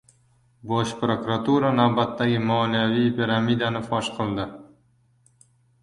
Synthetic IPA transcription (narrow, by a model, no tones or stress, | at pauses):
bɒʃpɾokuɾat̪uɾanawbat̪ːaɡʲɪmɒnijavijpʲiɾamid̪anɪfɒʃqʰɨlˠd̪ɪ